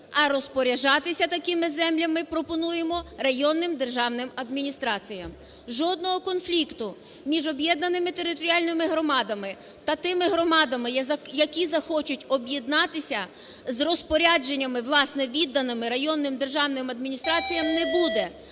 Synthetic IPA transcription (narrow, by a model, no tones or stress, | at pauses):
ɐɾɔspɔɾʲɐʒɑt̪ɪsʲɐt̪ɐkɪmɪzɛmlʲɐmɪpɾɔpɔnujemɔrɐjɔnːɪmd̪erʒɑwnɪmɐd̪mʲinʲist̪ɾɑt͡sʲijɐm | ʒɔd̪̚nɔɦɔkɔnflʲikt̪ʊ | mʲiʒɔbjɛd̪̚nɐnɪmɪt̪eɾɪt̪ɔɾʲialʲnɪmɪɦɾɔmɑd̪ɐmɪ | t̪ɐt̪ɪmɪɦɾɔmɑd̪ɐmɪjɐkʲizɐxɔt͡ʃʊtʲɔbjed̪nɑt̪ɪsʲɐ | zrɔspɔɾʲad͡ʒenʲːɐmɪʋlˠɑsnɛʋʲid̪ːɐnɪmɪɾɐjɔnːɪmd̪erʒɑwnɪmɐd̪mʲinʲist̪ɾɑt͡sʲijɐmnɛbud̪ɛ